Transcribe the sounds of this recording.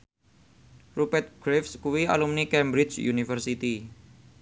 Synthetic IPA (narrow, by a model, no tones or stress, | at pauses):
rupɛt̪̚ɡ̥ɾefskuwia̰lumnikɛmbɾit͡ʃjṵnifərsit̪i